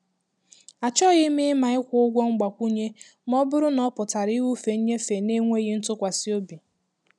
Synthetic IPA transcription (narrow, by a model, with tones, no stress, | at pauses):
a˨t͡ʃɔ˦ɣɪ˦mɪ˦ɪ˦ma˨ɪ˦kʷʊ˦ʊ˦ɡʷɔ˦ŋ͡m̩˦ɡ͡ba˨kʷu˦ɲe˦ | m˦ɔ˦bʊ˦ɾʊ˦nɔ˦pʊ˨ta˨ɾi˦ɣu˦fe˨˦ɲe˦fe˨ne˦ŋʷe˦ɣi˦n̩˦tʊ˦kʷa˨si˦o˦bi˨